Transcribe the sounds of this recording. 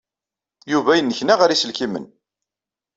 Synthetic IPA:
juvæjənːəçnaʁəɾisəlkimə̰n

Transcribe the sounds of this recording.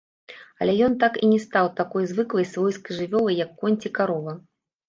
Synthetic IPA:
ɐlʲɛjɔnt̪akḭnʲɛst̪awt̪akɔjzvɨklˠɐjsvɔjskɨʐɨvʲɔlˠɐjːɐkːɔnʲt͡sʲikaɾɔvɐ

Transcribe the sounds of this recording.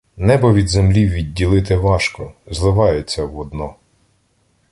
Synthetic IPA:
nɛbɔʋʲid̪zemlʲiwʋʲidʲːilˠɪt̪ɪʋɑʃkɔzlˠɪʋɑjʊt͡sʲːɐwɔd̪nɔ

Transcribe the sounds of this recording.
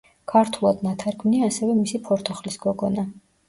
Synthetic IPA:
kʰaɾt̪ʰulˠad̪nat̪ʰaɾkʰvmniaːsɛvɛmisipʰɔɾt̪ʰɔχlisɡ̥ɔɡɔna

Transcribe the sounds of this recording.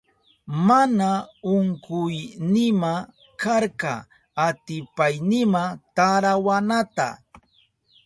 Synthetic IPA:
manaʊŋkʊjnɪma | kʰaɾkɑ̰ | at̪ɪpajnɪmat̪aɾawanat̪a̰

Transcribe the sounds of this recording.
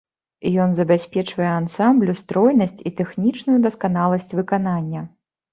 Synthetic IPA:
jɔnzɐbʲasʲpʲɛt͡ʂvɐjɛansamblʲust̪ɾɔjnɐsʲt͡sʲit̪ɛxnʲit͡ʂnujud̪ɐskan̪alˠɐsʲt͡sʲvɨkananʲːɐ

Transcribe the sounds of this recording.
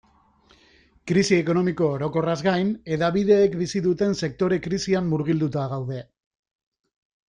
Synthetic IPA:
kɾisie̞ko̞no̞miko̞ːɾo̞ko̞razɣajne̞ðaβiðe̞ːkbisiðut̪e̞nse̞k̚t̪o̞ɾe̞kɾisiamːuɾɣ̞ild̪ut̪aɣ̞awð̞e̞

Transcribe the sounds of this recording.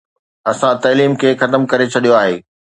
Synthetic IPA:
ɐsãt̪ɐːliːmkʰeːxɐt̪əmkɐɾet͡ɕʰɐɗijoaːɦeː

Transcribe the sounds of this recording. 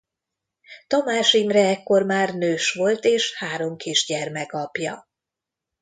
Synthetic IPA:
t̪ɒmaːʃimrɛɛkːo̞rmaːrnøːʃʋo̞lt̪eːʃhaːɾo̞mkʰiʒɟɛrmɛkɒpjɒ

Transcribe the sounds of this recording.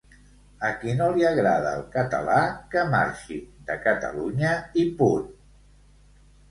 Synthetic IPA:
əkinoliəɣɾað̞əːlˠkət̪ə̰lakəma̰ɾʃḭd̪əkət̪ə̰luɲəipuɾ

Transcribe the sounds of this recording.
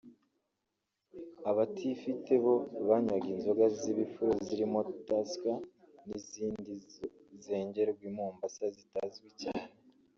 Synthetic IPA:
aβatʰifite̞βo̞βaɲwaɡiːnzoɡaziβifuɾoziɾimo̞taska | niziːndize̞ːɲɟe̞ɾoɡwiːmuːmbasazitazɡwicaːne

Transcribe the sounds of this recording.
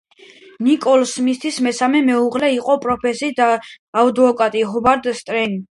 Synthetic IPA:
nikʼɔlsmist̪ʰismɛsamɛmɛuʁlɛiqʼɔpʼɾɔpʰɛsid̪aː | ud̪vɔkʼat̪ʼiɦɔbaɾd̪st̪ʼɾɛn

